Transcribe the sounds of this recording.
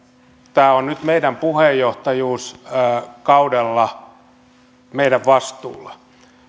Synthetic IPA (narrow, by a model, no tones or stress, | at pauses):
t̪æːonnyt̪meidæmpuhejːoht̪ɑjuːsː | kɑudelːɑ | meiɾæʋʋɑst̪ṵːlːɑ